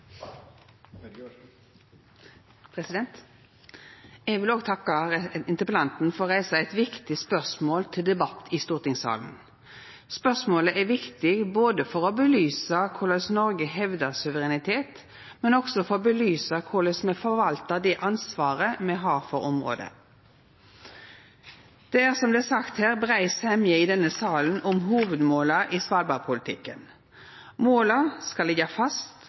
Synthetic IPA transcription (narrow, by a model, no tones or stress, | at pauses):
pʰɾɛsɪd̪ɛnt̪ | ɛɡʋɪloːɡt̪ʰɑkːɑɪnt̪əpəlɑnt̪n̩fɔʁʁæɪsɑæɪt̪ʋɪkt̪ɪspœʁsmoːlt̪ʰɪld̪ɛbɑt̪ːɪst̪uːʁt̪ɪŋsɑ̰ːln̩ | spœsmoːləʔæʋɪkt̪ɪɡboːd̪əfɔʁɔbəlyːsɑkʰʊləsnɔɾɡəɦɛʋd̪əʁsʉʋəʁɛnɪt̪ʰeːt̪ | mɛnɔɡ̥sɔfɔʁɔbəlyːsɑkʰʊləsmɛfɔʋɑlt̪əd̪ɛʔɑnsʋɑːʁəmɛɦɑːɾfɔɾɔmʁo̰ːd̪ə̰ | d̪̥ɛæːʁsɔmd̪ɛːsɑkt̪hæːʁbʁæɪshɛmjəɪd̪ɛnːəsɑːlən̩ʊmɦuːʋəd̪moːlɑʔiːsʋɑːlbɑʁpʰʊlɪt̪ʰɪkːən | moːləskɑlːɛɡɑfɑst̪